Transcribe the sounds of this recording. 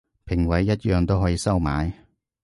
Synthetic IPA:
pʰɪ˨˩ŋwɐ˨˥jːɐ˥t̚jœː˨˧ŋt̪o˥wɦɔː˨˥jiː˨˧˥sɐ˥wma̰ː˨˥j

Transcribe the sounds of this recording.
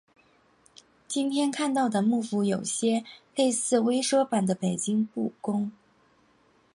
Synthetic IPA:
t͡ɕi˥nt̪ʰjɛ˥nkʰa˥˧nt̪ɑ˥˩ʊd̪ə˩mu˥˩fu˧˥jo˨˩ʊɕjɛ˥le˥˧ɪsɹ̩˥˩we˥ɪʂɤ˥pa˨˩nd̪ə˦pe˨˩ɪt͡ɕi˥ŋpu˥˩kʊ˥ŋ

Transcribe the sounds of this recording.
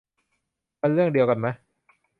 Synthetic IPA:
pe˧nɾɯ˥˩əŋdi˧əwka˧nma˦˥j

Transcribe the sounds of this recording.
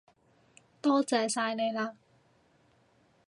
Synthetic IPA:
t̪ɔː˥t͡sɛː˨˩saː˧jne˨˧jlaː˧

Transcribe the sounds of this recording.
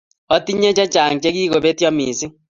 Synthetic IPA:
ɔ˦ti˦ɲe˦t͡ʃɛ˦t͡ʃa˨ŋt͡ʃe˦ɣiː˦ɣo˨βe˦tjɔ˦mi˨si˦

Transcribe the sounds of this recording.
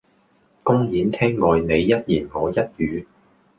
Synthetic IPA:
kʊ˥ŋjiː˨˧nt̪ʰɛː˥ŋːɔː˨˧jne˨˧jːɐ˥t̚jiː˨˩nŋɔː˨˧jɐ˥t̚jyː˨˧

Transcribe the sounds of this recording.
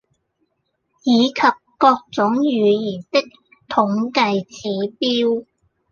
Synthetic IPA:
jiː˨˧kʰɐ˨p̚kɔː˧k̚t͡sʊ˨˥ŋjyː˨˧jiː˨˩nt̪ɪ˥k̚ | t̪ʰʊ˨˥ŋkɐ˧jt͡sʰiː˨˥piː˥w

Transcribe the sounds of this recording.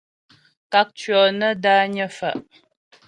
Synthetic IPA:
ka˨˦k̚t͡ʃɥɔ˨nə˦daː˦ɲə˦fa̰˨ʔ

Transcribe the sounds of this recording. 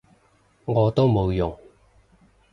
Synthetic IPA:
ŋɔː˨˧t̪o˥wmo˨˧wjʊ˨˩ŋ

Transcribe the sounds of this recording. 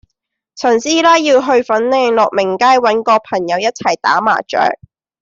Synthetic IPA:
sʰɵ˨˩nsiː˥laː˥jiː˧wɦɵ˧ɥfɐ˨˥nlɛː˧˩ŋlɔ˨k̚mɪ˨˩ŋkaː˥jwɐ˨˥nkɔː˧pʰɐ˨˩ŋjɐ˨˧wjɐ˥t̚t͡sʰɐ˨˩jt̪a̰ː˨˥ma̰ː˨˩t͡ʃœ̰ː˨˥k̚

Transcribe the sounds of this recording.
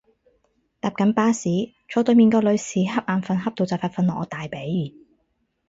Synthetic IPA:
t̪aː˨˧p̚kɐ˨˥npaː˥siː˨˥ | t͡ʃʰɔː˨˥t̪ɵ˨˧ɥmiː˨˩nkɔː˧lɵ˨˧ɥsiː˨˥ɦɐ˥p̚ʔaː˨˧nfɐ˨˧nɦɐ˥p̚t̪o˨wt͡sɐ˨wfaː˧t̚fɐ˧nlɔː˨ʔɔː˨˧t̪aː˨jpe˨˥j

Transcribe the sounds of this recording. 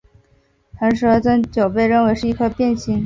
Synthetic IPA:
xa˧˥nʂɻɤ˧˥t͡sə˥nt͡ɕjo˨˩ʊpe˥˧ɪɻə˥˩nwe˧˥ɪʂɻ̩˥˧i˥˩kʰɤ˥˧pjɛ˥˧nɕi˥ŋ

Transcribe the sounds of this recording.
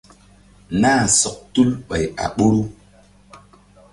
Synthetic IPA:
naː˦˨sɔ˨k̚tu˦lɓə˨ja̰˨ɓo˦ɾu˦

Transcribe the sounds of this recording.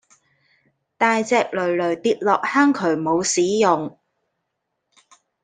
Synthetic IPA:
t̪aː˧jt͡sɛː˧k̚lɵ˨˩ɥlɵ˨˩ɥt̪iː˧t̚lɔː˨k̚haː˥ŋkʰɵ˨˩ɥmo˨˧wsiː˨˥jʊ˨˩ŋ

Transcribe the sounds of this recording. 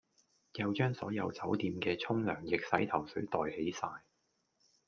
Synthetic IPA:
jɐ˨˧wt͡ʃœː˥ŋsɔː˨˥jɐ˨˧wt͡sɐ˨˥wt̪iː˧mkɛː˧t͡sʰʊ˥ŋlœː˨˩ŋjɪ˨k̚sɐ˨˥jt̪ʰɐ˨˩wsɵ˨˥ɥt̪ɔː˨jhe˨˥jsaː˧j

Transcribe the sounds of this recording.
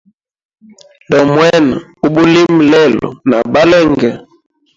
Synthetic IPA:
dɔ˨mwɛ˦na˨u˦bu˦li˦mlɛ˦˨lɔ̰˨na̰˨ba˦lɛ˦ŋɡɛ˨

